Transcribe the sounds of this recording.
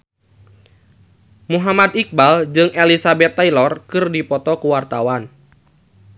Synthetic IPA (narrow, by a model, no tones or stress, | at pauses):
muɦamad̪ik̚bald͡ʒɨŋʔelisabɛt̪ːailɔrkɨrdipɔt̪ɔkuwart̪awan